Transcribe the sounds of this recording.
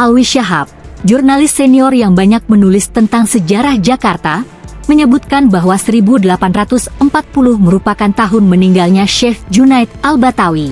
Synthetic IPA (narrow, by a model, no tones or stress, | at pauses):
ʔalwiʃaɦap̚d͡ʒurnalɪstːɛniɔrjaŋbaɲak̚mənulɪst̪ənt̪aŋsəd͡ʒaɾahd͡ʒakart̪a | məɲəbut̪̚kanbaɦwasəɾibudəlapanrat̪ʊsəmpat̪̚pulʊhməɾupakant̪aɦʊnməniŋɡalɲaʃɛfd͡ʒunait̪̚albat̪awi